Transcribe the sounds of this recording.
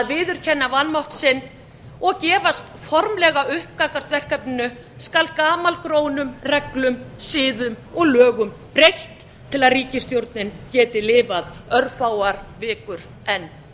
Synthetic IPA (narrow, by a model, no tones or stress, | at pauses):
ðvɪːðʏɾ̥cʰɛnːavanmawht̪sɪnː | ɔɣcɛːvast̪fɔɾmlɛɣaʏhp̚kakar̥t̪vɛr̥kɛpnɪnʏ | skalkaːmalkɾoːwnʏmrɛklʏmsɪːðʏmɔɣlœːɣʏmpɾejht̪ʰː | ɪlaðriːcɪst̪jowɾt̪nɪncɛːt̪ɪlɪːvaðœɾfaːwaɾ̥vɪːkʏɾ̥ | ɛnː